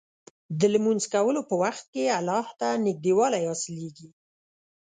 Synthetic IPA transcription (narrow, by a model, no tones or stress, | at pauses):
d̪əlmunzkawəlopəwaxt̪̚kealɑht̪anɪk̚d̪ewɑlajɑsɪleɡi